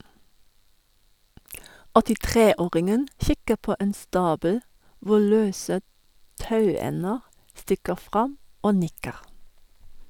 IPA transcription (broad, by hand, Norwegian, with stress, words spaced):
ɔtɪˈtʁeː ˈoːʁɪŋən ˈçɪkə ˈpoː ˈeːn ˈstɑːbəl ˈʋʊ ˈɭøːsə ˈtɑʉˌɛnəʁ ˈstɪkəʁ ˈfʁɑm ˈoː ˈnɪkəʁ